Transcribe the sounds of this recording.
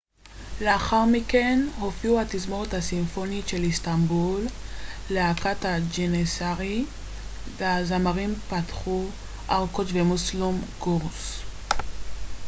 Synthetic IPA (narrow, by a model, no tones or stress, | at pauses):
leaχaʁmike̞nho̞fiuatizmoʁet̪hasimfo̞niʃe̞listambulːeakatad͡ʒenesaʁi | veazamaʁimpatχu | ʔaʁkot̪vemuslumɡuʁs